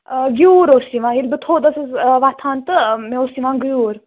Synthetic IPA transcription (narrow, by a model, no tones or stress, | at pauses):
ɡjuːɾosiʋãːilʲbɨt̪ʰoːd̪ɐsɐsʋat̪ʰaːnt̪ɨmẽosiʋãːnɡjuːɾ